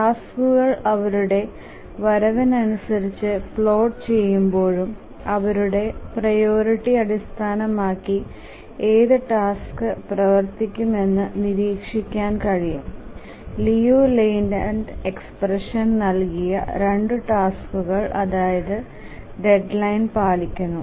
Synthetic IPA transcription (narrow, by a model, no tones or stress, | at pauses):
ʈaːskuɣɐɭɐʋɐɾuɽe̞ | ʋɐɾɐʋɐnɐnusɐɾit͡ɕːɨpɭo̞ːʈt͡ɕe̞jːumbo̞ːɻum | ɐʋɐɾuɽe̞prɐjo̞ːɾiʈːiɐɽist̪ʰaːnɐmaːkːi | eːðɨʈaːskɨprɐʋɐrt̪ikʲːume̞nːɨniɾiːkʂikʲːaːnkɐɻijum | lijuːlejnɖɐɳɖeksprɐʂɐnnɐlkijɐ̰ɾe̞ɳɖɨʈaːskuɣɐɭʔɐðaːjɐðɨ | ɖe̞ɖlɐjnpaːlikʲːunːu